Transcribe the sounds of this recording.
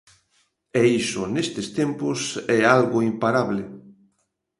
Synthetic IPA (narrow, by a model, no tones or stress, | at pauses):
ɛisʊnest̪est̪empʊsɛalɣʊimpaɾaβlɪ